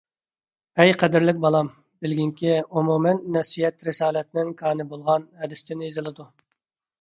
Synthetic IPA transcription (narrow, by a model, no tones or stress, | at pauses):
ɛjqʰɛd̪ɪɾlɪk̚ʲbɑlˠɑm | bɪlɡʲiŋkʲiumumɛnːɛsijɛt̪ɾɪsɑːlɛt̪̚nɪŋkʰɑːnɨbolˠʁɑnhɛd̪ɪst̪ʰɪnɪizɨlˠɨd̪u